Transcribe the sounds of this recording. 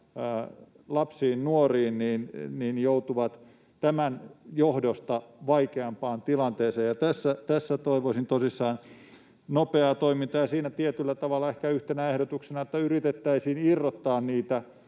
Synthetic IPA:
lɑpsiːnnuoriːnniːnniːnjout̪uʋɑt̪ | t̪æmænjohdost̪ɑʋɑikeɑmpɑːnt̪ilɑnt̪eːseːjɑt̪æsːæt̪æsːæt̪oiʋoisint̪osisːɑːn | nopeɑt̪oimint̪ɑjɑsiːnæt̪iet̪ylːæt̪ɑʋɑlːɑehkæyht̪enæehɾot̪uksenɑet̪ːæyrit̪et̪ːæisiːnirːot̪ːɑːnniːt̪æ

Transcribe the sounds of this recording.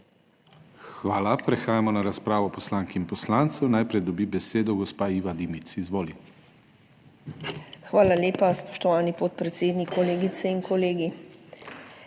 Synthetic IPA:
xʋaːlapɾɛxaːjamɔnaɾaspɾaːʋɔpɔslaŋkiinpɔslaːnt̪sɛwnajpɾɛjd̪ɔbibɛseːd̪ɔɡɔspaiʋad̪imit̪sizʋoːli | xʋaːlaljeːpaspɔ̥ʃt̪ɔʋaːnipot̪̚pɾɛt̪seːd̪nikːɔleːɡit̪sɛiŋkɔleːɡi

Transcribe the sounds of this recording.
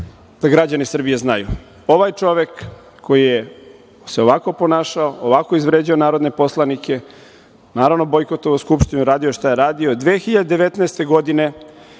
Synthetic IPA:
d̪̥aɡɾad͡ʑanisr̩bijeznaju | o̞ʋajt͡ʂo̞ʋe̞kːʰ | o̞jije | se̞o̞ʋako̞po̞naːʃaooʋako̞izʋɾeːd͡ʑaonaːɾo̞d̪ne̞po̞slˠanike̞ | naːɾaʋno̞bo̞jko̞t̪o̞ʋuskupʃt̪inuɾaːd̪ioʃt̪aje̞ɾaːd̪io̞d̪ʋeːxiʎad̪ed̪e̞ʋe̞t̪naest̪e̞ɡo̞d̪ine̞

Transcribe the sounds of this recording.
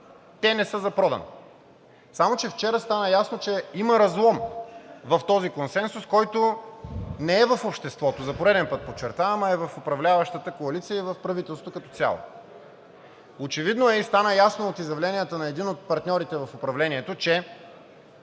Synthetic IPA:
t̪ɛnɛsɤzɐpɾɔd̪ɐ̰no̰ | samot͡ʃɛft͡ʃɛɾəst̪anəjasnot͡ʃɛiməɾɐzlˠɔmvɐft̪ɔzikonsɛnsʊskɔjt̪o | nɛɛvɐfopʃt̪ɛst̪vɔt̪ozɐpoɾɛd̪ɛnpət̪̚pot͡ʃːɛɾt̪avɐməɛvɐfopɾɐvlʲavɐʃt̪ət̪əkoɐlit̪sijəivɐfpɾɐvit̪ɛlˠst̪vokɐt̪ɔt̪sʲja̰lˠo̰ | ot͡ʃɛvid̪noɛist̪anəjasnoot̪izjɐvlɛnijət̪ənɐɛd̪inot̪̚pɐɾt̪nʲɔɾit̪ɛvɐfopɾɐvlɛniɛt̪ot͡ʃɛ

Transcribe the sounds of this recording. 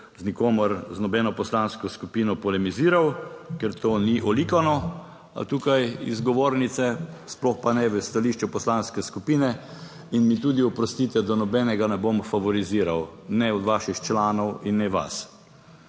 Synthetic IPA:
znikoːmɔɾznɔbɛːnɔpɔslanskɔskupiːnɔpɔlɛmiziːɾawkɛɾt̪oːniʔɔlikanɔ | a̰t̪uːkajḭzɡɔʋoːɾnit̪sɛsplɔxpanɛʋəst̪aliːʃt͡ʃupɔslanskɛskupiːnɛ | inmit̪uːd̪iɔpɾɔst̪it̪ɛd̪anɔbɛnɛɡanɛbomfaʋɔɾiziːɾawnɛɔd̪ʋaːʃixt͡ʃlaːnɔwinːɛʋa̰s

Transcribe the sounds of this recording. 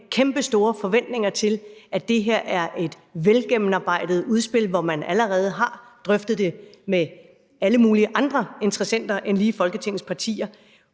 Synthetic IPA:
kʰemb̥əsd̥o̝ːɐfɒ̽ʋen̰d̥ne̝ŋɐt͡sʰe̝lʔæd̥e̝ɦeɐ̰ʔæɐʔe̝d̥ | ʋelɡ̥emnɑ̈b̥ɑ̈ɪ̰d̥əð̞̩ˠuð̞ˠsb̥e̝l̰ʋɒmænæləʁɛːð̞̩ˠəɦɑ̈d̥ʁœfd̥ð̞̩ˠd̥e̝me | æləmuːliəʔɑ̈nd̥ʁɐe̝nt͡sʰʁɐsen̰d̥ɐʔenliːfɒ̽lɡ̥ət͡sʰe̝ŋ̰n̩spʰɑ̈t͡sʰḭːɐ

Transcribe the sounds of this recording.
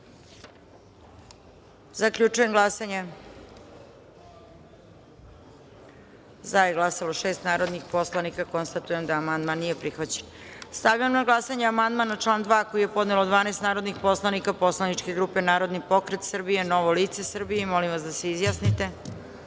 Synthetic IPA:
zakʎut͡ʃuje̞mɡlˠasaɲe | zajeɡlˠasaloʃe̞ːst̪naːɾo̞d̪nixpo̞slˠanikako̞nst̪at̪uje̞md̪aːmand̪manːijepɾixʋat͡ɕenst̪aʋjiamnamɡlˠasaɲeamand̪manaʈ͡ʂlˠaːnd̪ʋaːko̞ije̞po̞d̪nelod̪ʋaːnest̪naːɾod̪nixpo̞slanikaposlaniʈ͡ʂkeɡɾuːpenaːɾo̞d̪nipo̞kɾet̪sr̩bije̞no̞ʋoliːt̪se̞sr̩bijeimo̞limʋasd̪aseizjasnit̪e̞

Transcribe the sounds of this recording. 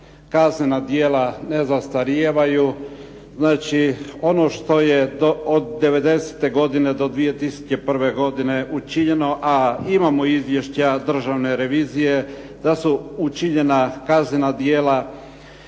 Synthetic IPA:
kazɲenad̪jeːlane̞zast̪aɾjeːʋaju | znaːt͡ʃio̞no̞ʃt̪o̞jed̪ood̪ːe̞ʋe̞d̪e̞se̥t̪e̞ɡo̞d̪ine̞d̪o̞d̪ʋije̞t̪isu̥t͡ɕe̞pr̩ʋe̞ɡo̞d̪ine̞ʔut͡ʃiɲe̞no̞ʔaimamoizʋje̞ʃt͡ɕad̪r̩ʒaʋne̞ɾe̞ʋiːzije̞ | d̪̥asuut͡ʃiɲe̞nakazɲenad̪jeːla

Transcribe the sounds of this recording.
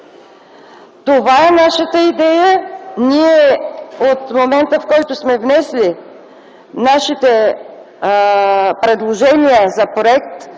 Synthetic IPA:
t̪ovaɛnaʃət̪əid̪ɛjəniɛot̪momɛnt̪əfkɔjt̪ʊsmɛvnɛsli | naʃit̪ɛ | pɾɛd̪lˠoʒɛniəzɐpɾoɛkt̪

